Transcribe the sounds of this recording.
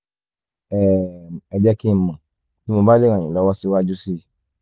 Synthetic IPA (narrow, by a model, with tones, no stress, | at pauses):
ɛ˨ɛ˨d͡ʒɛ˦ki˦˨mã˨ | ti˦mo˧ba˦le˦˨ɾ̃ã˨ĩ˨lɔ˨˦wɔ˦si˧˦wa˦d͡ʒu˦si˦˨